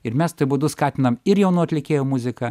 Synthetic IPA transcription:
ɪɾmʲɛst̪obʊd̪ʊskɑːt̪ʲɪnɐmɪɾjɛʊnuːɐt̪ʲlʲɪkʲeːjoːmʊzʲɪkɐ

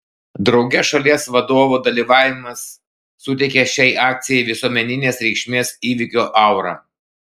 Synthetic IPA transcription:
d̪ɾɒʊɡʲɛʃɐlʲiɛsʋɐd̪oːʋud̪ɐlʲiːʋɑːʋʲɪmɐsː | ʊt̪ʲɛɪkʲɛʃʲɛɪʔɑːk̚t̪sʲɪjɛɪʋʲɪsuɔmʲɛnʲɪnʲeːsɾʲɛɪkʃʲmʲeːsiːʋʲɪkʲoːʔɐˑʊɾɑ̰ː

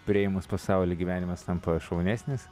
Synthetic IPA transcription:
pʲɾʲɪeːjmʊspɐsɑˑʊlʲeːɡʲiʋʲæːnʲɪmɐst̪ɐmpɐʃɐʊnʲæːsʲnʲɪs

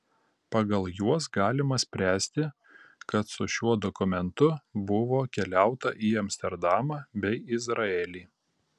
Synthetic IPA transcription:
pɐɡɐlˠjuɔsɡɑːlʲɪmɐsʲpʲɾʲæːsʲt̪ʲɪ | kɐt̪sʊʃʲuɔd̪ɔkʊmʲɛnt̪ʊbʊʋoːkʲɛlʲæˑʊt̪ɐʔiːɐmʲsʲt̪ʲɛɾd̪ɑːmɑːbʲɛɪɪzɾɐɛlʲiː

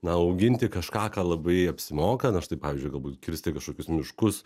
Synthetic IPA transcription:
nɐɐʊɡʲɪnʲt̪ʲɪkɐʃkɑːkɑːlˠɐbɐɪɐpʲsʲɪmoːkɐnɐʃt̪ɐɪpɑːʋʲizʲd͡ʒʲʊɪɡɐlˠbuːt̪kʲɪɾʲsʲt̪ʲɪkɐʃkoːkʲʊsmʲɪʃkʊs

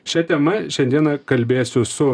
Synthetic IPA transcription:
ʃʲɛt̪ʲɛmɐʃʲɛnʲd̪ʲiɛnɐkɐlʲbʲeːsʲʊsʊ

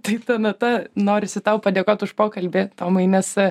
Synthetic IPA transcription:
t̪ɐɪt̪ɐnɐt̪ɐnoːɾʲɪsʲɪt̪ɐʊpɐd̪ʲeːkoːt̪ʊʃpoːkɐlʲbʲɪt̪oːmɐɪnʲɛs

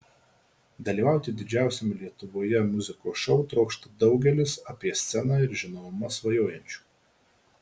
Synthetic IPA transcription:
d̪ɐlʲiːʋɑˑʊt̪ʲɪd̪ʲɪd͡ʒʲæˑʊsʲɛmʲɪlʲiɛt̪ʊʋoːjɛmʊzʲɪkoːʃɔʊt̪ɾɒʊkʃt̪ɐd̪ɒʊɡʲɛlʲɪsɐpʲiɛsʲt̪sʲɛnɑːɪɾʒʲɪnomɐsʋɐjoːjɛnʲt͡ʃʲu̥ː

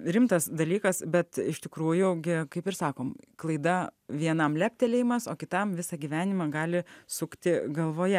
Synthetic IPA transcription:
ɾʲɪmt̪ɐsd̪ɐlʲiːkɐsbʲɛt̪ɪʃt̪ʲɪkɾuːjʊɡʲɪkɐɪpɪɾsɑːkoːmklˠɐɪd̪ɐʋʲiɛnɐmlʲæːp̚ʲt̪ʲɛlʲejɪmɐsoːkʲɪt̪ɐmʋʲɪsɑɡʲiːʋʲæːnʲɪmɑɡɑːlʲɪsʊkt̪ʲɪɡɐlˠʋoːjɛ

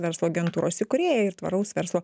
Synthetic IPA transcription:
ʋʲɛɾslˠoːɐɡʲɛnt̪uːɾʔo̰ːsʲɪkʊɾʲeːjɛɪɾt̪ʋɐ̰ɾɐʊsʋʲɛɾslˠoː

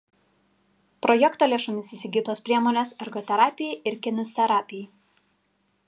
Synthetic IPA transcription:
pɾɔjɛkt̪oːlʲeɛʃʊmʲɪsʲɪsʲɪɡʲiːt̪oːspʲɾʲiɛmoːnʲeːsɛɾɡot̪ʲɛɾɑːpʲɪjɛɪɾkʲɪnʲɪsʲt̪ʲɛɾɑːpʲɪj

